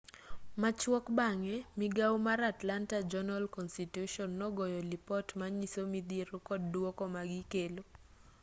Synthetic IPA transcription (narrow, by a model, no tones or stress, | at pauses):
mat͡ʃwɔkbaŋɛmiɡawmaɾatlantad͡ʒɔnalkɔnstituʃɔnːɔɡɔjɔlipɔtmaɲisomid̪eɾokɔddwokɔmaɡikelo